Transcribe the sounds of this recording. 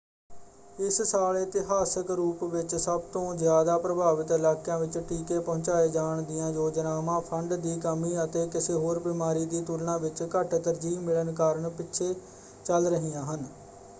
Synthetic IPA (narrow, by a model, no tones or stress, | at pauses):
ɪssaːlːt̪ɪɦaːsəkɾuːpʋɪt͡ʃsəbt̪õːzjaːd̪aːpɾəbʱaːʋət̪ɪlaːkjãːʋɪt͡ʃʈiːkeːpɔʊ̃t͡ʃaːeːd͡ʒaːɳd̪ɪjãːjoːd͡ʒnaːmãːpʰəɳɖd̪iːkəmiːət̪eːkɪseːɦoːɾbɪmaːɾiːd̪iːt̪ʊlnãːʋɪt͡ʃkəʈt̪əɾd͡ʒiːmɪɭənkaːɾəɳpɪtːʃʰeː | t͡ʃəlɾəɦijãːɦən